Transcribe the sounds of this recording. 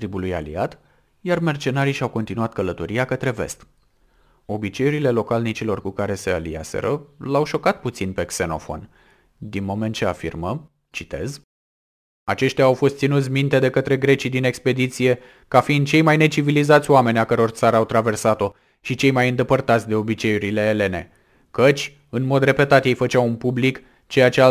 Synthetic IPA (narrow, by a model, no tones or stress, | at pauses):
t̪ɾibuluja̰lḭat̪ | jarme̞rt͡ʃe̞naɾiʃawko̞nt̪inuat̪kələt̪o̞ɾiakət̪ɾe̞ve̞̰st̪ | o̞bit͡ʃe̞jeɾile̞lo̞kalnit͡ʃilo̞rkukaɾe̞se̞alḭa̰sḛɾəlawʃo̞kat̪̚put̪sinpe̞kse̞no̞̰fo̞̰n | d̪inmo̞ment̪̚t͡ʃe̞afḭrmə | t͡ʃit̪e̞̰z | at͡ʃe̞ʃt̪ʲjaːwfo̞st̪sinut̪sʲmint̪e̞d̪e̞kət̪ɾe̞ɡɾe̞t͡ʃid̪ine̞kspe̞d̪it̪sije̞ | kafind̪̚t͡ʃe̞jmajne̞t͡ʃivilizat̪sʲoame̞nʲakəɾo̞rt̪saɾəawt̪ɾave̞rsat̪o̞ | ʃit͡ʃe̞jmajɨnd̪e̞pərt̪at̪sʲd̪e̞o̞bit͡ʃe̞juɾile̞ːle̞ne̞̰ | kət͡ʃʲ | ɨnmo̞d̪re̞pe̞t̪at̪je̞jfət͡ʃawunpublik | t͡ʃe̞jat͡ʃe